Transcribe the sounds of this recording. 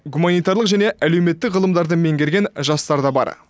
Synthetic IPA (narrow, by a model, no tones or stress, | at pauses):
ɡumanijt̪ɑɾlˠəqʒæne̞ʔæle̞wme̞t̪ːɪkʁəlˠəmd̪ɑɾd̪əme̞ŋɡʲe̞ɾɡʲe̞nʒɑst̪ɑɾd̪ɑbɑ̰ɾ